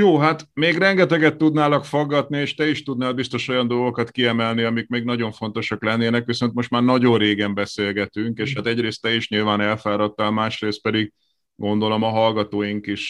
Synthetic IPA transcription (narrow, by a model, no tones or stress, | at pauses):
joːɦat̪meːɡrɛŋɡɛt̪ɛɡɛt̪ːud̪naːlɒkfoɡːɒt̪nieːʃt̪ɛiʃt̪ud̪naːlbist̪o̞ʃo̞jɒnd̪o̞lɡo̞kɒt̪kiɛmɛlniɒmik̚meːɡnɒɟo̞ɱfo̞nt̪o̞ʃɒklɛnːeːnɛkʋiso̞nt̪mo̞ʃt̪maːrnɒɟo̞nreːɡɛmbɛseːlɡɛt̪yŋkeːʃhat̪ɛɟreːst̪ːɛiʃɲilvaːnɛlfaːɾɒt̪ːaːlmaːʃreːst̪̚pɛd̪iɡ | ɡo̞nd̪o̞lo̞mɒɦɒlɡɒt̪oːjiŋkiʃ